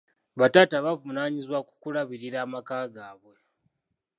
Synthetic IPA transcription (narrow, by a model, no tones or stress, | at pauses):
βatataβavunaːɲizwaku̥kulaβiɾiɾaːmakaːɡaːβwe̞